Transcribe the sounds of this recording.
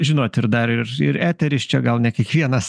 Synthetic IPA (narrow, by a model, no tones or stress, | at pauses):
ʒʲɪnoːt̪ʲɪɾd̪ɐɾɪɾɪ̰ɾæːt̪ʲɛɾʲɪst͡ʃʲɛɡɐlˠnʲɛkʲiɛkʋʲiɛnɐs